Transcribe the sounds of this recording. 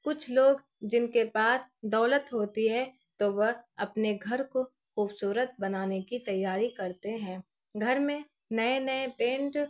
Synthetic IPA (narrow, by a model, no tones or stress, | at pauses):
kʊt͡ʃʰloːɡ | d͡ʒɪnkepaːsd̪ɔːlət̪ɦoːt̪iɦɛ̃ | t̪oʋɐɦɐpneɡʱɐɾko | xuːbsuːɾət̪̚bɐnaːnekit̪ɐjːaːɾikɐɾt̪eɦɛ̃ː | ɡʱɐɾmẽ | nɐenɐepẽːɳʈ